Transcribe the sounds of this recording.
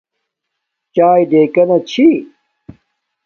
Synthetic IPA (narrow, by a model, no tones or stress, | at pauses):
t͡ɕaːjd̪eːkɐnɐt͡ɕʰi